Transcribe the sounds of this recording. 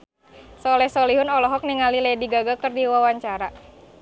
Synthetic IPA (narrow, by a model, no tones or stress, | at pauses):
sɔlɛhsɔliɦʊnɔlɔɦɔk̚niŋaliladiɡaɡakɨrdiwawaɲt͡ʃaɾa